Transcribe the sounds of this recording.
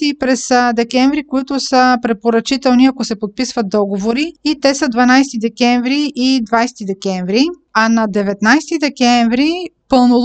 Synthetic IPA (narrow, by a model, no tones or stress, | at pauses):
ipɾɛsd̪ɛkɛɱvɾikoit̪ʊsəpɾɛpoɾɐt͡ʃit̪ɛlˠniɐkosɛpot̪̚pisvɐt̪̚d̪ɔɡovoɾiit̪ɛsəd̪vɐnajst̪id̪ɛkʲɛɱvɾiʔid̪vajsɛt̪id̪ɛkɛɱvɾiɐnɐd̪ɛvɛt̪najst̪id̪ɛkɛɱvɾipɤlˠno